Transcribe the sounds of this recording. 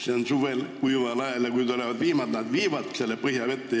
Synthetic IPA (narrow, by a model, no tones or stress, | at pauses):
seonsuʋelkuiʋɑlɑjɑljɑkuint̪oleʋɑd̪ʋiːmɑd̪nɑd̪ʋiːʋɑd̪̥selːepəhjɑʋet̪ːe